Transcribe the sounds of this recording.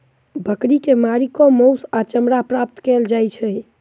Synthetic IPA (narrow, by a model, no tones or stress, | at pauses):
bʱəkɾikemaɾikomowsat͡ʃəmɾapɾap̚t̪kɛld͡ʒajt͡ʃʰɛj